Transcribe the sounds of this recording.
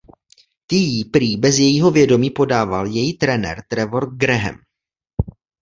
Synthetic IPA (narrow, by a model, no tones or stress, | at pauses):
t̪ijipɾiːbɛzjɛjiːɦo̞vjɛdo̞miːpo̞daːvaljɛjit̪ɾɛnɛ̰ɾt̪ɾɛvo̞ɾɡɾɛɦɛ̰m